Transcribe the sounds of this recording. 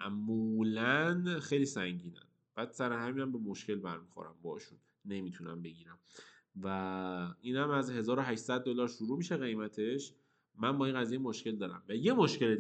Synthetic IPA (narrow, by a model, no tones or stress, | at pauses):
ʔæmulænxejliːsæŋɟiːnæ̰n | b̥æːd̪sæɾehæmiːnæmbemoʃce̞lbæɾmixo̰ɾæ̰mbɒhʃunːemit̪ʰunæmbe̞ɡiːɾæm | væiːnhæmæzhe̞zɒːɾoɦæʃsæd̪̚ːolɒːɾʃuɾuːmiːʃeɣe̞jmæt̪ʰe̞ʃ | mænbɒːinɢæzijemoʃkce̞ld̪ɒːɾæ̰mvæje̞moʃce̞le